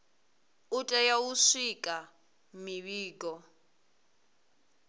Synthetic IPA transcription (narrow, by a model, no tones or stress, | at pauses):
utʼɛjawuʂikʼa | miβiːkɔ